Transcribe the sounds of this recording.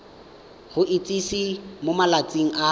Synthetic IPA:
χʊʔɪt͡sʼisimomalat͡sʼiŋ̩ʔa

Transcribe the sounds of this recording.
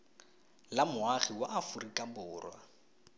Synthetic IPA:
lamʊaχiwaʔafʊrikʼabʊːrwa̰

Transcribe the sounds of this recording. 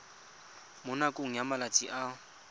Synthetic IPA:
mʊnakʼoŋ̩jamalat͡sʼiʔa

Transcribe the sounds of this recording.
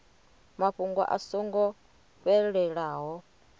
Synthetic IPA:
maɸuŋɡwa̰ʔa̰sɔŋɡɔ | ɸɛɺɛɺaːɦɔ

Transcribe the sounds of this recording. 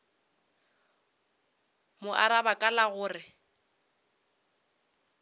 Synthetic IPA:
mʊʔaɾabakʼalaɣʊːrɪ

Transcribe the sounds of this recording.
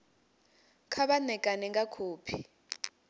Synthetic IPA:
kʰaɓanɛkʼanɛŋɡakʰuːpʰi̥

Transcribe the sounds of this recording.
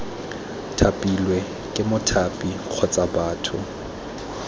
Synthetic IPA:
tʰapʼilwɛ | kʼɪmʊtʰapʼik͡xʰɔt͡sʼabaːtʰʊ

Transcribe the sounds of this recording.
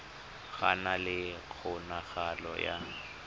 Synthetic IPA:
ɣanalɪk͡xʰʊnaɣalɔ̰ja̰

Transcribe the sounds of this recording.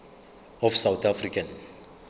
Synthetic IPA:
ɔfsawt̪afɾikãn

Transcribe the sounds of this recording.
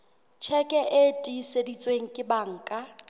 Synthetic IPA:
t͡ʃʰɛkʼɛʔetʼisedit͡sʼweŋ̩kʼɪbaŋ̩kʼa

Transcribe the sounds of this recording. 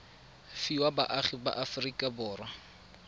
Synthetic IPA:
fiwaba̰ʔaχiba̰ʔafʊrikʼabʊːrwa

